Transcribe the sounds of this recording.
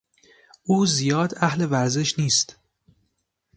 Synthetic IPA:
ʔuːzijɒːd̪æhle̞væɾze̞ʃniːst̪

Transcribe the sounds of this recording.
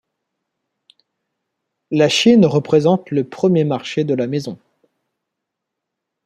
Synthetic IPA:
laʃinʁəpχezɑ̃t̪ləpχəmjemaʁʃed̪əlamezɔ̃

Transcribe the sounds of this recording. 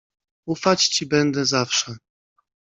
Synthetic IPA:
ufat͡ɕt͡ɕibɛnd̪ɛzafʂɛ

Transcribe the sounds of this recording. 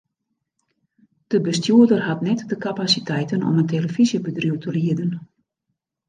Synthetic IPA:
d̥əbəstjuədərɦatnɛtdəkapasitʰɛjtənɔ̰məntʰeləfizjəbədrjuwtʰəliədən

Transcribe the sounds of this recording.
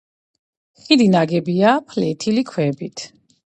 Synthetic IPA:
χid̪inaɡɛbiapʰlɛt̪ʰilikʰwɛbit̪ʰ

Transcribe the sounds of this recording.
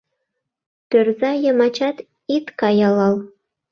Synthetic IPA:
t̪ʲø̆rzɑjɤ̆mɑt͡ɕɑt̪ | it̪kɑjɑlˠɑlˠ

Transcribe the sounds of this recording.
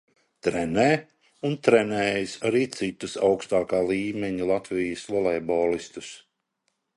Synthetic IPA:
t̪ɾɛnɛː | unt̪ɾɛnɛːjisaɾiːt̪sit̪ːusawkst̪aːkaːlˠiːmɛɲulˠat̪vijəsɔlˠɛːbɔːlist̪us

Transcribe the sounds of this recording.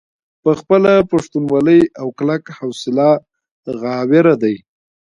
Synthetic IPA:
pəxpəlapaʂt̪unwɑləjawklakhawsɪlɑ | ɣɑwɪɾad̪aj

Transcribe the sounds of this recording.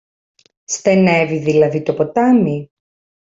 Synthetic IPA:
st̪e̞neviðilɐðit̪opot̪ɐmi

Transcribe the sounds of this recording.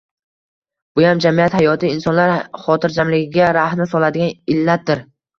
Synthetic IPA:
b̥ʊjamd͡ʒamijat̪hajɒt̪ʰɪɪnsɒnlaɾχɒt̪ʰɪɾd͡ʒamlɪɡʲɪɡʲaɾahnɪsɒlad̪ɪɡʲanɪlːat̪̚d̪ɪɾ

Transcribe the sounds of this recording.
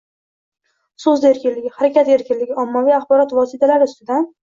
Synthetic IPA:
sɵzd̪aeɾkʲɪnlɪɡʲɪhaɾakʲat̪e̞ɾkʲɪnlɪɡʲɪɒmːavijaχbɒɾɒt̪vɒsɪt̪ʰalaɾɪʊst̪ɪd̪an

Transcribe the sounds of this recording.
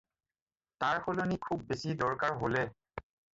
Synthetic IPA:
taɹxʰolonikʰubːesidɔɹkaɹɦolɛ

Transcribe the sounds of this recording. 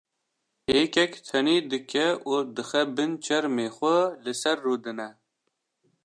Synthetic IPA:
heːkɛkt̪ʰɛniːd̪ɨkʰɛʔuːd̪ɨxɛbɨnt͡ʃʰɛɾmeːxʷɛlɨsɛɾːuːd̪ɨnɛ

